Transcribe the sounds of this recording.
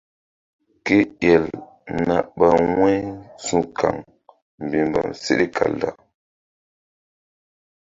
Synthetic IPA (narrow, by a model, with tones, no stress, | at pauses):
ke˦jɛ˨l | na˨ɓa˨wɛ˦jsũ˦kʰa̰˨ŋ | m̩˨bi˨mba̰˨msḛ˦ɗi˦kʰa̰˨lda˦˨